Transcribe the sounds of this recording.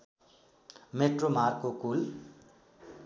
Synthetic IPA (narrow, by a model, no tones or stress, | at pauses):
meʈrom̤akkokul